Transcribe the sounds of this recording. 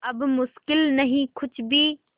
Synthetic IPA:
ɐbmʊʃkɪlnɐɦĩkʰʊt͡ʃʰbʱiː

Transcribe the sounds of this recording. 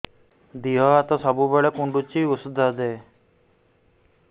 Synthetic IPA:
d̪iɦɔat̪ɔsɔbubeɭekuɳɖut͡ʃiusud̪ʱaɦd̪e

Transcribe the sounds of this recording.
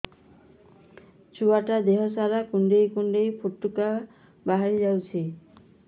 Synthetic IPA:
t͡ʃuaʈad̪eɦɔsaɾakuɳɖejkuɳɖejpʰuʈːuka | baɦaɾid͡ʒawt͡ʃʰi

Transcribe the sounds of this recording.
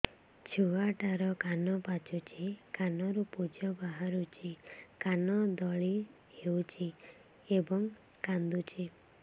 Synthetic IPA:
t͡ʃʰuaʈaɾɔkanɔpat͡ʃut͡ʃʰikanɔɾupud͡ʒɔbaɦaɾut͡ʃʰikanɔd̪ɔɭi | ewt͡ʃʰi | ebɔŋ | kand̪ut͡ʃʰi

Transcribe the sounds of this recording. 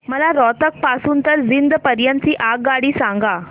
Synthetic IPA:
məlaɾɔt̪ək̚pasuːnt̪əɾd͡zind̪pəɾjãnt͡siːʔaɡɡaɽiːsãŋɡa

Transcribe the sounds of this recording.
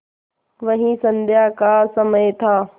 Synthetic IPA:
ʋɐɦĩsɐ̃nd̪ʱjaːkaːsɐməjt̪ʰaː

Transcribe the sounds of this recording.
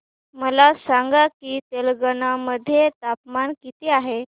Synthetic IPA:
məlasaŋɡakiːt̪elɡənaməd̪ʱːjet̪apmankit̪eaɦe

